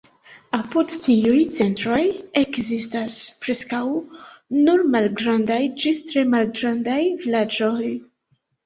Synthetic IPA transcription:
apudtiujt͡se̞ntɾojekzistaspɾeskawnuɾmalɡɾandajd͡ʒistɾe̞malɡɾandajvilad͡ʒoj

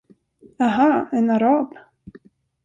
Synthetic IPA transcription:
aɦaɛnaɾab

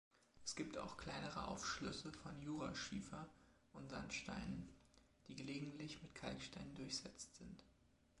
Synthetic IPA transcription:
ʔɛ̥sɡ̥iːpta̰ʊxkʰl̥aɪnəʁə̰ʔa̰ʊfʃlʏsəfɔnjuːʁaʃiːfɐ | ʔʊntz̥a̰ntʃta̰ɪnən | d̥iːɡəleːɡŋ̩tʰlɪçmɪtkʰalkʃtaɪnəndʊɐçz̥ɛt͡stz̥ɪnt

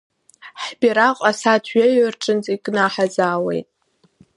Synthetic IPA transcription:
ħbiɾaqʼasatʰɥaɥʏrʈ͡ʂʼɨnt͡sʼikʼnaħazaːwḛjtʼ

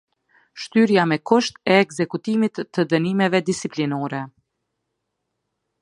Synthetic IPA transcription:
ʃt̪yɾjamɛkuʃt̪ɛːkzɛkut̪imit̪ːəd̪ənimɛvɛd̪isiplinɔɾɛ

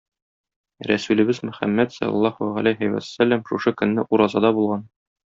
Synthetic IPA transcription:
ɾæsʉlɘ̆bɘzmɵ̆χæ̰mːæt̪slɑ̰lˠːɑhuʁæ̰læjɦæjwæ̰̥sælːæmʃuʃɤkɵ̆nːɘʔuɾɑzɑd̪ɑbulˠʁɑn

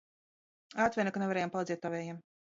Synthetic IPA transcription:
at̪vʲɛnakanevaɾɛːjampalˠit̪zɛt̪ːɔvɛːjɛm

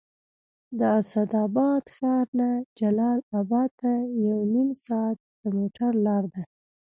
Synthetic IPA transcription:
d̪əasad̪ɑbɑd̪xɑɾnad͡ʒalɑlabɑd̪̚t̪ːajawnimsɑat̪̚d̪̥əmoʈʰaɾlɑɾd̪a

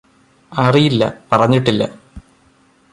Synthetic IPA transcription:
ɐrijilːɐ̰pɐrɐɲːiʈːilːɐ̰

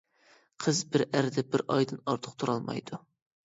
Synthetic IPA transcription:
qʰəzbɪɾæɾɪd̪ɛbɪɾʔɑjd̪ɨnɑɾt̪ʰʊ̥q̚t̪ʰuɾɑlˠmɑ̰jd̪u

